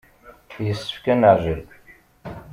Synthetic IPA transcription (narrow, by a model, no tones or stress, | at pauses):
jəsːə̥fkænəʕʒəl